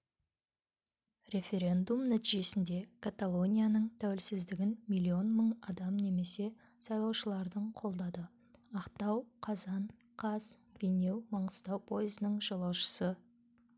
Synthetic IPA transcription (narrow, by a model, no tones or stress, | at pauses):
rʲe̞fʲe̞ɾe̞nd̪umnæt̪iʒe̞sɪnd̪e̞kʰat̪alˠo̞nʲijanəɴt̪ʰæwɪlsɪzd̪ɪɡʲɪnmijlʲːio̞nməɴɑd̪ɑmne̞me̞se̞ | sɑjlˠɑwʃəlˠɑɾd̪əɴqʰo̞lˠd̪ɑd̪ə | ɑqt̪ɑwqʰɑzɑn | qʰɑz | b̥ejne̞wmɑɴəst̪ɑwpʰo̞jəzənəɴʒɑlˠɑwʃə̥sə